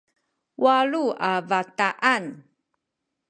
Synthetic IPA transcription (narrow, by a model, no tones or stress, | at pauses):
wʔaɭuavataʔan